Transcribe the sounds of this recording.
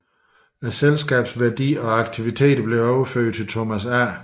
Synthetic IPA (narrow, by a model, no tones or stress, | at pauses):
æselsɡ̥ɛ̰ːb̥sʋæɐd̥ḭːɒ̽ɑ̈ɡ̥t͡sʰiʋit͡sʰe̝̰ːd̥ɐb̥le̝ɒʊɐføɐ̰d̥̚t͡sʰe̝lt͡sʰomæsæɐ̰